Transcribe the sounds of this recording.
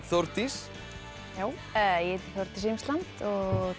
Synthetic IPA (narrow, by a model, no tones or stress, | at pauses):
θoɾt̪is | jaːw | ɛjɛɛt̪iθjowɾt̪isejmslant̪ɔ